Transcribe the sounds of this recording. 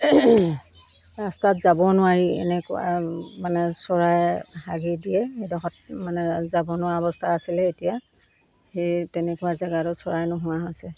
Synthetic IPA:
ɹastatzabɔnʊwaɹiɛ̰nɛkʊ̰a̰manɛsɔɹajhaɡidijɛxejdɔxɔt̚manɛzabɔnʊwaɔbɔstʰaːsilɛetija | xejtɛnɛkʊwazɛɡaɾɔsɔɹajnʊɦʊwaɦɔsɛ

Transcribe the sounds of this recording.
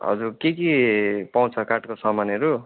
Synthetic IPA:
ʌ̰d͡zuɾkekipaw̃t͡sʰʌkaʈkosʌmanʌɾu

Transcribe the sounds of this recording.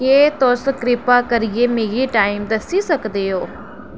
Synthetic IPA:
keːt̪oskɾɪpakɐɾijemeːɡiʈaːɪmd̪ɐsisɐkd̪eɦoː

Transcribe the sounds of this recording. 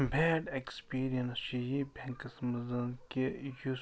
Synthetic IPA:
bʱɛːɖekspiːɾijɐnst͡ʃijibʱʲẽŋkɐsmɐzɐnkeju

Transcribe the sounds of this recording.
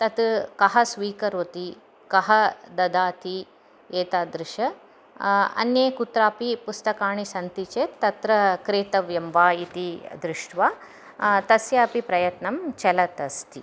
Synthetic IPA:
t̪ɐt̪kɐɦɐsʋiːkɐɾʋɐt̪i | kɐɦɐd̪ɐd̪aːt̪i | eːt̪aːd̪ɾɪʃɐ | ɐ̰njeːkut̪ɾaːpipust̪ɐkaːɳisɐnt̪it͡ʃeːt̪ɐt̪ɾɐkɾeːt̪ɐʋjɐmʋaːit̪id̪ɾɪʂʈʰʋaː | t̪ɐsjaːpipɾɐjɐt̪nɐmt͡ʃɛlɐt̪ɐst̪i

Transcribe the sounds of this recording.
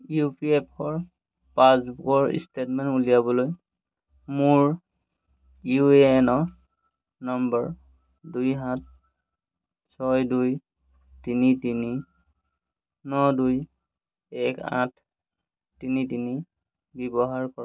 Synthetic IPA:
jupiep̚ʰɔɹ | pãsbukɔɹḭstetmɛnulijabɔloj | muɹ | jueɛnɔ | nɔmbɔɹ | dujɦat̚ | sʰɔjduj | tinitini | nɔduj | ɛkã̰tʰ | tinitini | bɛbɔɦaɹkɔa

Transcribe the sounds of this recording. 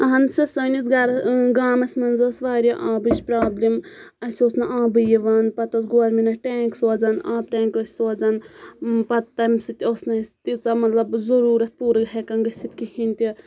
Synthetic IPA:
ɐɦɐnsisɐːnisɡaɾɡaːmɐsʲmɐnzɐsʋaːɾʲaʔaːbɨt͡ʃʲpɾaːblʲim | ɐsʲosnɐʔaːbɨjiʋaːnpɐt̪ɐsɡoːɾminɐʈeːŋksoːd͡zɐnaːb̚ʈeːŋkosʲsoːd͡zɐnpɐt̪ːɐmʲsɨt̪iosnɐsʲt̪it͡sɐmɐt̪lɐbzɐɾuːɾɐt̪̚ʰpuːɾɨɡɦekɐnɡɐsit̪kihinʲt̪i

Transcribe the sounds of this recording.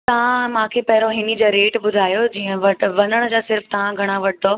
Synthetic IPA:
t̪ɐʋ̤ãmãːkʰeːpɐɦɪɾoɦɪnid͡ʑoɾeːʈɓʊd̪ʱaːjod͡ʑiːə̃ʋɐʈʋɐnəɽ̃əd͡ʑaːsɪɾft̪ɐʋ̤ãɡʱɐɽ̃aʋɐʈʰɪd̪oː

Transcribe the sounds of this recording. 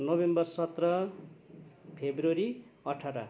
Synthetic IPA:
nobembʌrsʌt̪rʌ | pʰebroɾiʌʈʰʌɾʌ̰

